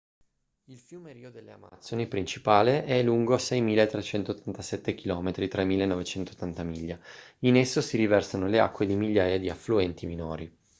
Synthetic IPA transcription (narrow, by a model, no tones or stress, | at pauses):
ilfjuːmeɾiːod̪elːeama̰t̪sonipɾint͡ʃipaːleʔɛluŋɡoasɛjmiːlaet̪ːɾet͡ʃɛnt̪oːt̪ʰːant̪asɛt̪ːek̟ilɔːmet̪ɾit̪ɾamiːlaenːɔvet͡ʃɛnt̪ot̪ːant̪amiʎːainesːosiɾivɛrsanolea̰kːwed̪imiʎːaːjad̪iafluɛnt̪iminoːɾi